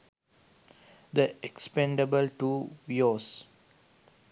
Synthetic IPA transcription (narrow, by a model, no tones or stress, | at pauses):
d̪əekspẽɳɖəbəlʈuːʋios